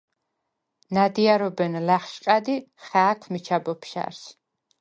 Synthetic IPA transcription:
nad̪iaɾɔbɛnlaχʃqʼad̪iχaːkʰmit͡ʃʰabɔpʰʃa̰ɾs

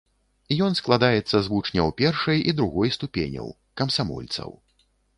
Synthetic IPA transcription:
ijɔnsklˠad̪ajɛt̪sːɐzvut͡ʂnʲɐwpʲɛrʂɐjid̪ɾuɣɔjst̪upʲḛnʲɐ̰w | kɐmsamɔ̰lʲt̪sɐ̰w

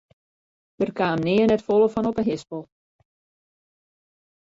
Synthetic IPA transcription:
d̥ərkaːmnɪənɛtfolˠəfɔnɔpəɦɪspɔlˠ

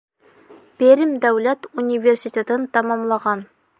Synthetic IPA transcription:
peɾɘmd̪æwlæt̪unʲivʲersʲit̪ʲet̪ənt̪ɑmɑmlˠɑʁɑn

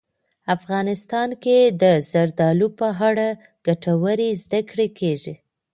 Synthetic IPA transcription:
afɣɑnɪst̪ɑnked̪əzaɾd̪ɑlupəɦaɽa | ɡ̥aʈawəɾizd̪akɽekʰeʒi

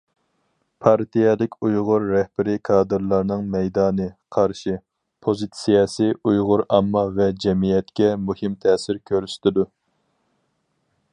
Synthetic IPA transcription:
pʰɑɾt̪ʰijɛlɪkʲʰujʁʊɾːɛhb̥ɪɾɪkʰɑːd̪ɨɾlˠɑɾnɨŋmɛjd̪ɑːnɨqʰɑɾʃi | pʰozɨt̪sijɑsiʔujʁʊɾɑmːɑvɛd͡ʒɛmijɛt̪kʲɛmuhɪmt̪ʰɛːsɪɾkʲʰøɾyʃt̪ʰɪd̪u

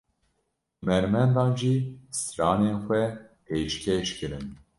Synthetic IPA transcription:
mɛɾmɛnd̪ɑːnʒisɨɾɑːneːnxʷɛpʰeːʃkʲʰeʃkɨɾɨn

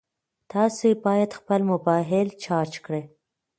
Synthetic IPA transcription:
t̪ɑsoebɑjad̪xpəlmʊbɑɦɪlt͡ʃɑɾt͡ʃkɽe

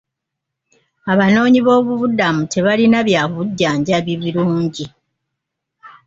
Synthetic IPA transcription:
aβano̞ːɲiβo̞ːβuβudamutʰe̞βalinaβjaːβuɟːaːɲɟaβiβiɾuːɲɟi

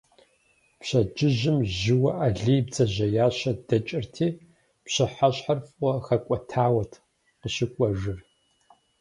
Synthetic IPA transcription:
pɕɐd͡ʒɪʒɪmʒɪwɐʔaɮiːjb̚d͡zɐʑɐjaːɕɐdɐt͡ʃʼɪrtʰeː | pɕɪħaɕʼħarfʼʷɔxɐkʷʼɔtʰaːwɐtʰ | qəɕɪkʷʼɔʒɨr

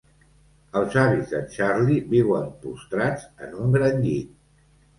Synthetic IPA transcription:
əlˠzaβizðət͡ʃaɾliβiwəmpṵst̪ɾad͡zə̰nuŋɡɾəɲʎit̪

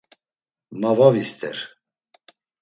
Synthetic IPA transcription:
mavavist̪ʰɛ̰ɾ

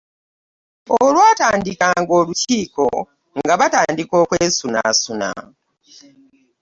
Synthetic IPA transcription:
olwaːtaːndikaːŋɡo̞ːluciːko̞̰ | ŋɡaβataːndiko̞ːkweːsuna̰suna̰

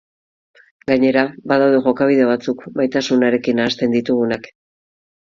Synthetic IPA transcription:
ɡaɲe̞ɾabaðawðe̞ʝo̞kaβ̞iðe̞βat͡sukbajt̪asunaɾe̞kinaːst̪e̞nd̪it̪uɣunak

